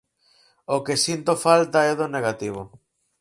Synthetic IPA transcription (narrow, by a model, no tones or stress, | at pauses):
okesint̪ofalt̪aɛðoneɣat̪iβ̞o